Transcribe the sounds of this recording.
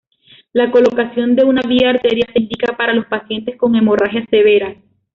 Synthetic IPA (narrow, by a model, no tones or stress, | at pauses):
lako̞lo̞kasjo̞nd̪e̞unaβiaːɾt̪eɾjaseind̪ikapaɾalo̞spasje̞nt̪esko̞ŋe̞mo̞raxjase̞βe̞ɾa